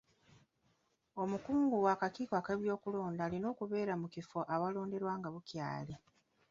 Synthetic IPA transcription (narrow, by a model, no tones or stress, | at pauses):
o̞mukuːŋɡuwaːkakiːkwakeβjo̞ːkulo̞ːndaːlino̞ːkuβe̞ːɾamucifoʔaβalo̞ːnde̞ɾwaːŋɡaβucja̰ːle